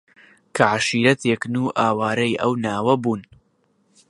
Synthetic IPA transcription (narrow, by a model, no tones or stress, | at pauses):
kʰɐʕaʃiːɾɐt̪ʰeknuːʔaːwaːɾɐjʔɐwnaːwɐbuːn